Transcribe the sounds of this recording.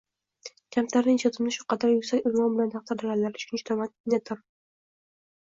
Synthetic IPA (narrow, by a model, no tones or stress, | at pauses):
kʲʰamt̪ʰlaɾnɪŋʃʰet̪ʰɪmnɪʃʊqʰɑd̪aɾjʊkʲsakʲɪlmɒmbɪlant̪ʰɑq̚t̪ʰaɾd̪alʲanlaɾɪʃʰʊnt͡ʃt̪ʰɒmat̪nat̪ʰʊɾ